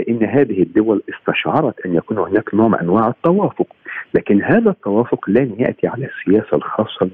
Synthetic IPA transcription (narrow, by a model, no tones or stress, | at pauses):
ɪʔɪnːɦæːðɪhɪd̪ːʊwælʔɪst̪ɑʃʕɑɾˤɑt̪ʔanjækuːnhʊnæːknoːʕmʔæ̰nwaːʕɪt̪ːɑwaːfʊqlæːkɪnhaːðæt̪ːɑwæːfʊqlæmjaʔt̪iʕalæːsːɪjæːsalxɑːsˤːɑ